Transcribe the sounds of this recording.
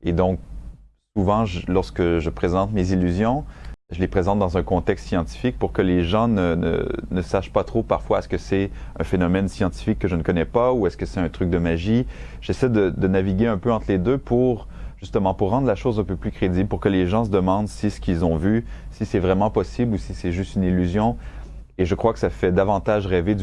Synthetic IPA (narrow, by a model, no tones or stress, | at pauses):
ed̪ɔ̃k̚suvɑ̃ʒlɔʁskəʒəpχezɑ̃t̪mezilːyzjɔ̃ʒəlepχezɑ̃t̪̚d̪ɑ̃zɛ̃kɔ̃t̪ɛkst̪sjɑ̃t̪i̥fik̚puʁkəleʒɑ̃nənə̰nəsaʃpat̪χopaʁfwaɛskəsɛɛ̃fenɔmɛnsjɑ̃t̪i̥fikːəʒənkɔnɛpauɛskəsɛt̪ɛ̃t̪χyk̚d̪əmaʒi | ʒ̥esɛd̪əd̪ənaviɡʲeɛ̃pøɑ̃t̪χled̪øpʰuʁ | ʒyst̪əmɑ̃puʁːɑ̃d̪ʁlaʃozɛ̃pøplykχed̪iblpuʁkəleʒɑ̃s̬əd̪əmɑ̃d̪sisə̥kʲilzɔ̃vysisɛvʁɛmɑ̃pɔsiblusisɛʒyst̪ynilːyzjɔ̃ | eʒəkχwakə̥safɛd̪avɑ̃t̪aʒʁɛved̪y